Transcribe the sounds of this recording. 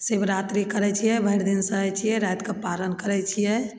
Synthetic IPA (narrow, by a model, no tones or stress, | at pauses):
sebɾat̪ɾikəɾɛt͡ʃʰijɛbʱəjɾd̪insəɦɛt͡ʃʰijɛɾajt̪kepalənkəɾɛt͡ʃʰijɛ